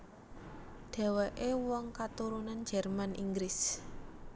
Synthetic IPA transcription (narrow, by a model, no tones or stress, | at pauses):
ɖ̪̥e̤weʔewɔŋkat̪uɾunan̥d͡ʒ̥ɛrmanʔiŋɡɾɪs